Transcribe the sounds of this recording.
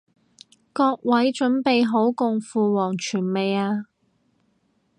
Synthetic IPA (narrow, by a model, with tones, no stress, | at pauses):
kɔː˧k̚wʔɐ˨˥jt͡ʃɵ˨˥npe˨jɦo˨˥wkʊ˨ŋfuː˨wɔː˨˩ŋt͡ʃʰyː˨˩nme˨jaː˧